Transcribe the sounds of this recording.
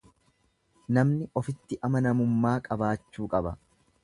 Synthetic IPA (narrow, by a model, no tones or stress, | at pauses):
nɐmnɪʔɔfɪt̪ːɪʔɐmɐnɐmʊmːaːkʼɐbaːt͡ʃːuːkʼɐbɐ